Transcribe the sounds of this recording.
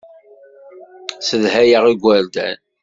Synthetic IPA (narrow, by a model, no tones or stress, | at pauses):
səðhæjəʁiɡʷːəɾd̪æ̰n